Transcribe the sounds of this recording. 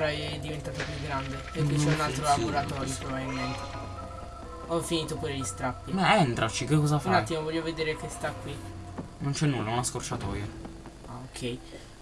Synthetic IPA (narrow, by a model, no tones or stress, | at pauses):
ɾɔɛɛd̪ːivent̪aːt̪opjuɡɾand̪epekːit͡ʃɛunalt̪ɾolaboɾat̪ɔɾjopɾobabilment̪e̥ | ɔfiniːt̪opuːɾelist̪ɾapːibɛɛnt̪ɾʔat͡ʃikekːɔzafanajt̪ːimovɔʎːoved̪eːɾek̟est̪akːwi | nont͡ʃɛnːulːaunaskort͡ʃat̪ɔːja | aokʰːɛj